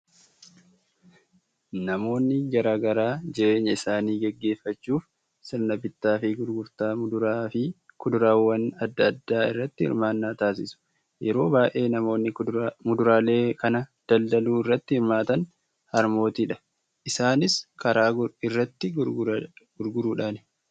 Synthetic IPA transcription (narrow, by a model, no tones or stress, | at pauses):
nɐmo̞ːnːɪɡɐɾaːɡɐɾaːd͡ʒɪʔeːɲːɐɪsaːniːɡɛɡːe̞ːfːɐt͡ʃːuːf | sɪɾnɐbɪt̪ːaːfɪɡʊɾɡʊɾt̪aːmʊd̪ʊɾaːfɪkʊd̪ʊɾaːwːɐnɐd̪ːɐd̪ːaːɪ̰rːɐt̪ːɪhɪ̰ɾmaːnːaːt̪aːs̬ɪsʊ̥ | jɛɾo̞ːbaːʔe̞ːnɐmo̞ːnːɪmʊd̪ʊɾaːle̞ːkɐnɐd̪̥ɐld̪ɐluːɪrːɐt̪ːɪhɪɾmaːt̪ɐn | hɐɾmo̞ːt̪iːᶑɐ̥ | ʔɪsaːnɪskɐɾaːɪrːɐt̪ːɪ | ɡ̥ʊɾɡʊɾuːᶑaːn